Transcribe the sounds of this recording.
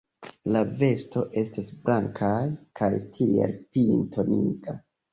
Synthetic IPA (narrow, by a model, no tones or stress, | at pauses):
lave̞sto̞ʔe̞stasblʔaŋkʰajkʰajtʰiḛlpintʰo̞nḭɡ̥a